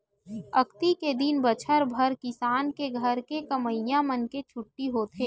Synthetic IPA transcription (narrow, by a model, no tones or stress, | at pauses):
ɐkt̪iked̪inbət͡ʃʰəɾbʱɐɾkɪsaːnkeɡʱəɾkekɐməɪjãmənket͡ʃʰʊʈːiɦot̪ʰeː